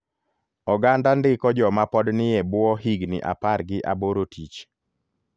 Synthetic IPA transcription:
ɔɡandandɪkɔd͡ʒɔmapɔdnɪjɛbʊɔɦiɡnɪ̰ʔa̰parɡɪʔaboɾotʰit͡ʃ

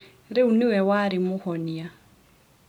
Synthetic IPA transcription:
ɾɪuniwɛwaɾimʊhɔnia

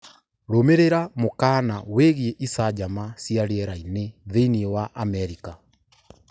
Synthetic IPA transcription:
ɾomeɾeɾamokaːnaweɣieʔisad͡ʑamasjaɾeɛɾaineðeiniewaʔamɛɾika

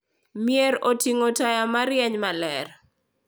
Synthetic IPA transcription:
mɪɛɾotiŋotajamaɾjɛɲmalɛɾ

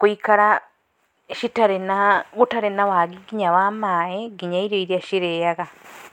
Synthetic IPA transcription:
kwikaɾa | ʃitaɾenaɣutaɾenawaɡiɡiɲawamaːeɡiɲaiɾoiɾiaʃiɾejaɣa

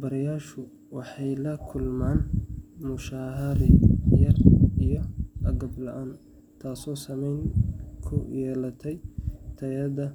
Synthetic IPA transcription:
bɐɾɐjaːʃʊ | wɑħɑjlɐkʰʊlmaːnmʊʃaːɦɐɾɪjɐrijɔɐɡɐblɐʔaːn | t̪ʰaːsɔːsɐmɛjnkʰʊ̰jɛːlɐt̪ʰɛjt̪ʰɐjɐðɐ

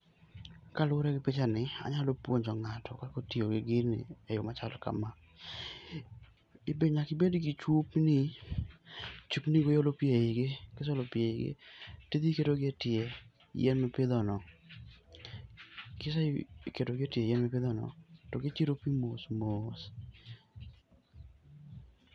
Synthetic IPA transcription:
kalʊɾɛɡɪpɪt͡ʃanɪa̰ɲalopwoɲd͡ʒɔŋatʰɔkakotjoɡɪɡɪnɪ̰ɛjʊmat͡ʃalɔka̰ma | ibeɲakɪbedɡit͡ʃupnɪ | t͡ʃupniɡojolopjeiɡekɪs̬ɔlopjeiɡḛted̪ikedoɡɪetɪe | jɛnmɛpɪðɔnɔ | kɪsakedoɡɪetjejɛnmɛpɪd̪ɔnɔ̰tɔɡɪt͡ʃiɾopimosmos

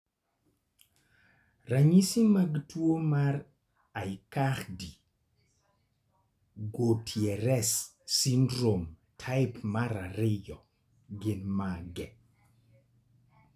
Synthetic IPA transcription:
raɲisimaɡtwomar | ajkaxdi | ɡotʰjɛɾɛsː | indɾom | tʰaɪpmaɾaɾɪjɔ | ɡɪnmaɡɛ

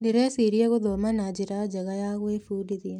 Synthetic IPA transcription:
neɾɛsiɾiɛɣoðɔmanad͡ʑeɾad͡ʒaɣajaɣoefuːdiðia

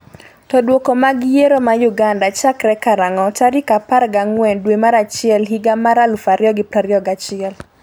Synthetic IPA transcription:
tɔdwokomaɡjeɾomajuɡandat͡ʃakɾɛkaɾaŋɔtaɾikapaɾɡaŋwɛndwemaɾat͡ʃɪɛlɦiɡamaɾalufaɾjɔɡɪpɾaɾjɔɡat͡ʃɪɛl

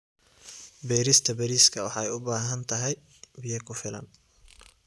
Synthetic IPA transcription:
bɛːɾɪst̪ʰɐbɛɾiːskʰɐwɑħɑɛjʊbaːɦɐnt̪ʰɐɦɛj | bɪjɐkʰʊfɪlɐ̰n

